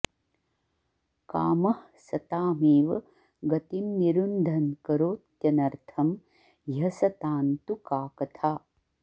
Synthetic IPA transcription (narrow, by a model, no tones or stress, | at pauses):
ka̰ːmɐh | sɐt̪aːmeːʋɐ | ɡɐt̪imniɾund̪ʱɐnkɐɾoːt̪jɐnɐɾt̪ʰɐm | jɐsɐt̪aːnt̪ukaːkɐt̪ʰaː